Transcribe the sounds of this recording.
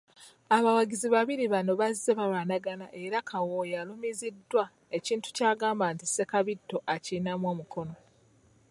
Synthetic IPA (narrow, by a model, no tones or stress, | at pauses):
aβawaɟiziβaβiɾiβano̞βazːe̞βaβanaɡana̰ʔe̞ɾakʰawojalumizidːwa | e̞ciːntu̥caːɡaːmbantise̞kaβitːo̞ʔacinamwo̞ːmukʰo̞no̞